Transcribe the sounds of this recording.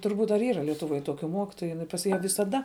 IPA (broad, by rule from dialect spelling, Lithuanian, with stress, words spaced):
tʊrˈbuːt ɐr ˈiːrɐ lʲiɛtʊˈʋoːj ˈtoːkʲʊ ˈmoːkʲɪtoːjʊ jɪˈnɐɪ pɐs ˈjæː ʋʲɪsɐˈdɐ